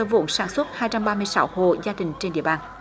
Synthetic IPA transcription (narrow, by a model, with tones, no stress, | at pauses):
ə˧vo̰˧˥nsaː˧˩nswə˦˥t̚haː˧jt͡ɕa˧mɓaː˧mɨ˧əjsa˦who̰˧˨zaː˧ɗï˨˩ŋ̟t͡ɕe˧nɗḭ˧˨əɓaː˧˩n